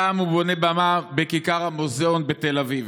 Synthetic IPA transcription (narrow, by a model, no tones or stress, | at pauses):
amubo̞ne̞bamabekikaʁhamozeonbet̪elaviv